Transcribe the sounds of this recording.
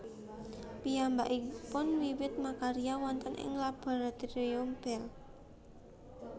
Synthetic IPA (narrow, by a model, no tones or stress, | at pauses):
pijambaʔipʊnwiwɪt̪̚makaɾiawɔnt̪ənʔɪ̰ŋlab̥a̤ɾat̪iɾiɔmb̥ɛl